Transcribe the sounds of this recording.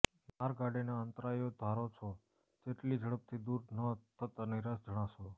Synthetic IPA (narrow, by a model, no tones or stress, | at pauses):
maɾɡaɖenaənt̪ɾajod̪ʱaɾot͡ʃʰo | d͡ʒeʈlid͡ʒəɭəp̚t̪ʰid̪uɾnət̪ʰət̪aniɾasd͡ʒəɽ̃ãʃo